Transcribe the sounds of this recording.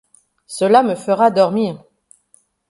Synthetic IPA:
səlaməfəʁad̪ɔʁmiːʁ

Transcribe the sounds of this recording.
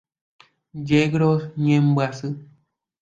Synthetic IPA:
d͡ʒɛɡɾɔɲɛ̃m̩basɨ

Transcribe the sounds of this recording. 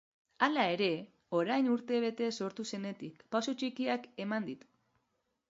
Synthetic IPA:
alae̞ɾe̞ | o̞ɾajnuɾt̪e̞β̞e̞t̪e̞so̞ɾt̪use̞ne̞t̪ikpasut͡ʃikiake̞mand̪it̪u̥

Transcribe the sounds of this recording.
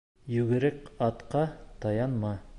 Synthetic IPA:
jʉɡɘ̆ɾɘkɑt̪qɑt̪ɑjɑnmɑ

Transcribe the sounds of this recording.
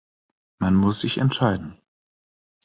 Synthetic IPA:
manmʊsz̥ɪçɛ̰ntʃaɪdn̩

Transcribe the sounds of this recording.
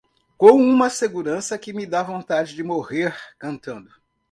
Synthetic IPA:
kõw̃ũmɐseɡuɾɐ̃sɐkɪmɪd̪avõnt̪ad͡ʒɪd͡ʒɪmoheɾkɐ̃nt̪ɐ̃nd̪ʊ

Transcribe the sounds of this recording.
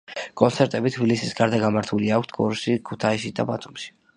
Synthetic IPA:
kʼɔnt̪sʰɛɾt̪ʼɛbit̪ʰbilisisɡaɾd̪aɡamaɾt̪ʰuliakʷʰt̪ʰɡʼɔ̰ɾʃikʰut̪ʰaiʃ̬id̪a̰bat̪ʰumʃi̥

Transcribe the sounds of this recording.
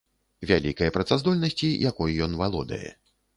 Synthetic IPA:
vʲalʲikɐjɐpɾɐt̪sazd̪ɔlʲnɐsʲt͡sʲijʔakɔjijɔnvalˠɔd̪ɐ̰jɛ̰

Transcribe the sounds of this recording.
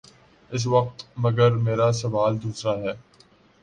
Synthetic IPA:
ɪs̬ʋɐq̚t̪mɐɡəɾmeːɾasɐʋaːld̪uːsɾaɦɛː

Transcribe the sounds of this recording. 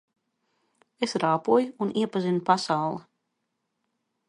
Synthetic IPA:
esɾaːpuɔjuuniɛpazinupasawlˠi

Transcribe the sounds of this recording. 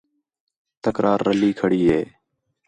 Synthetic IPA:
t̪əkɾʔaːɾːəliːkʰəɽiːɦeː

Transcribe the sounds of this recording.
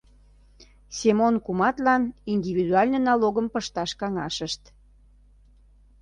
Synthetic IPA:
semonkumɑt̪lɑnind̪ivid̪uɑlʲnənɑloɣəmpəʃt̪ɑʃkɑŋɑʃəʃt̪

